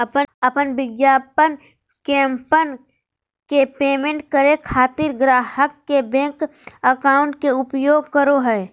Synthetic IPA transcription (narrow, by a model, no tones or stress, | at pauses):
pəpənbɪɡjaːpən | kɛ̃ːmpən | kepeːmẽɳʈkəɾekʰaːt̪ɪɾɡɾaːɦəkːebɛ̃ːŋkəkaːʊ̃ɳʈkeʊpjoːɡkəɾoɦɛː